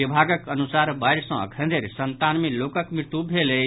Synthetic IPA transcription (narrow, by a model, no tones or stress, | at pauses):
ibʱaɡəkənusaɾbaɪɾsə̃ə̰kʰə̃nd̪eɾsənt̪anmelokəkmɾt̪ubʱele